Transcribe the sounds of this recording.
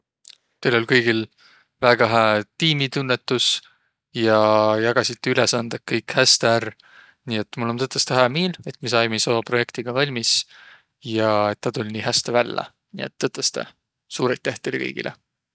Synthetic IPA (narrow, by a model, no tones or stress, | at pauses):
t̪elo̞lʲkɤjɡ̥il | væɡ̥ɑɦæt̪iːmit̪unːe̞t̪ːˑus | jɑjɑɡ̥ɑsit̪ːeylesɑnd̪̥ekːɤjkhæst̪eær | niːet̪ːmulːo̞nt̪ɤt̪ːˑɑst̪æɦæmeːle̞t̪mis̬ɑjmejsoːpro̞je̞kt̪iɡ̥ɑvɑlʲmis | jɑe̞t̪ːɑt̪ulʲniːɦæst̪evælːɑ̰ | nḭe̞̰t̪ːɤt̪ːˑɑst̪e̞̰ | suːɾet̪ːˑeht̪ːelkɤ̰jɡ̥ḭlʔḛ